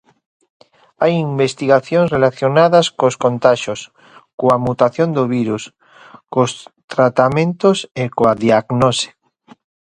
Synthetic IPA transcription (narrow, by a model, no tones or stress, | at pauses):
ajimbest̪iɣaθjõŋnsrelaθjonaðaskoskont̪aʃos | koamut̪aθjond̪oβiɾus | kost̪ɾat̪amẽnt̪osekoaðiaɣnose̥